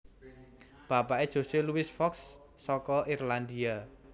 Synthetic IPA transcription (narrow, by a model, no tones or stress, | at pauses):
b̥ä̤paed̥ʒ̥o̤seluɪsfɔksː | ɔkɔʔirland̪ia